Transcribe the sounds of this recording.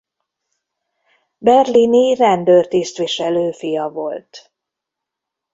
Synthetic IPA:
bɛrlinirɛnd̪øːrt̪ist̪ʋiʃɛløːfijɒvo̞lt̪

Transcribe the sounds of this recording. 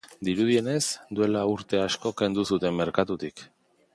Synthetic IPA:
d̪iɾuð̞ie̞ne̞zd̪ue̞lauɾt̪e̞asko̞ke̞nd̪usut̪e̞mːe̞ɾkat̪ut̪ik

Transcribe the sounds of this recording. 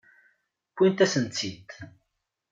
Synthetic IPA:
kʷːint̪æsənt͡sːit̪

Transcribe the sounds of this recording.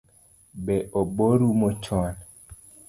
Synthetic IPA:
bɛʔoboɾumot͡ʃɔn

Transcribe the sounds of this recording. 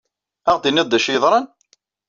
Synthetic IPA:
æʁd̪inːiðˤd̪ːæʃjəðˤɾˤɑn

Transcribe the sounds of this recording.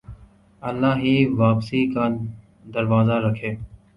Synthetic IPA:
əlːaːɦiːʋaːpsiːkaː | d̪əɾʋaːzaːɾəkʰeː

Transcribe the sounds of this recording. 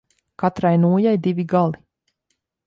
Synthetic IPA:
kat̪ɾajnuːjajd̪ivʲiɡalˠi

